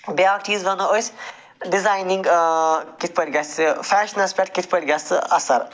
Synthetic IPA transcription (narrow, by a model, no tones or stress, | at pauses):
bʲaːkʈʰiːzbɐnɐosʲ | ɖizaːjniŋɡkit̪̚ʰʲpəɾʲɡɐsʲɨfʰɛːʃnɐspʲeʈkit̪ʰʲpəɾʲɡɐsʲɨɐsɐɾ